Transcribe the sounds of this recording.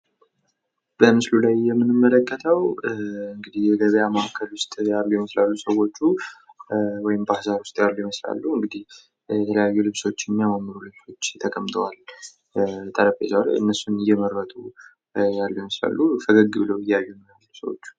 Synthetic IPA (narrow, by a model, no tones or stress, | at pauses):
bəmɨslulajːɛmːɨnɨmːələkʼːət̪ʰəwɨŋɡɨd̪ihjɛɡəβəjamaʔakʰəlwʊst̪ʼjalːujɛməslalːusəwo̞t͡ʃːu | wɔjɪmbahzaɾwʊst̪ʼjalːujɛməsla̰lːuɨŋɡɨd̪ih | jɛt̪ʰələjajːulɨβso̞t͡ʃːjɛmːijamamːɨɾulɨβso̞t͡ʃːt̪ʰəkʼəmt̪ʰəwal | t̪ʼəɾəfezawl̰ʔɨ̰nːəsːunɨjːɛməɾːət̪ʼu | jalːujɛməsla̰lːufəɡəɡɨbɨləwɨjːaβɛjɛmːəalusə̰wo̰t͡ʃːu̥